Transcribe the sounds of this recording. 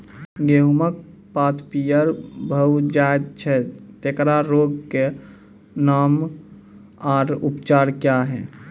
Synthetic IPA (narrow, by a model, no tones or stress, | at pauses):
ɡeɦumək̚paːt̪ʰpijəɾbʱəwd͡ʒajd̪̚t͡ʃʰɛt̪eːkɾaɾoːɡke | naːm | aːɾupt͡ʃaːɾkjaɦɛː